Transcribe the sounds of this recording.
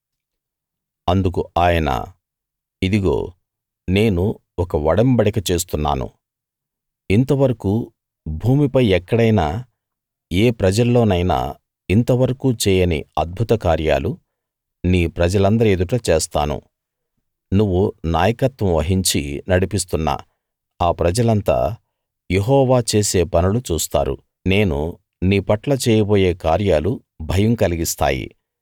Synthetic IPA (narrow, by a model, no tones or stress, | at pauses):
ɐnd̪uk̬uaːjɐnɐ̰ | id̪iɡo̞̰ː | ne̞ːnu | ɔkɐʋɐɽɐmbɐɽɐkɐt͡ʃe̞ːst̪unːa̰ːnṵ | int̪ɐʋɐɾɐku | bʱuːmipɐjɛkːɐɽɐjnaː | eːpɾɐd͡ʒɐlːo̞ːnɐjna̰ː | int̪ɐʋɐɾɐkuːt͡ʃɛːjɐnḭɐd̪̚bʱut̪ɐkaːɾja̰ːlu | niːpɾɐd͡ʒɐlɐnd̪ɐɾied̪uʈɐt͡ʃeːst̪a̰ːnṵ | nuʋːunaːjɐkɐt̪ʋɐ̃mʋɐɦiɲt͡ʃḭnɐɽipist̪unːa̰ː | aːpɾɐd͡ʒɐlɐnt̪a̰ː | jeɦɔːʋaːt͡ʃeːse̞ːpɐnulut͡ʃuːst̪a̰ːɾṵ | ne̞ːnṵ | niːpɐʈlɐt͡ʃɛːjɐboːjeːkaːɾjaːlu | bʱɐjɐmkɐliɡist̪a̰ːjḭ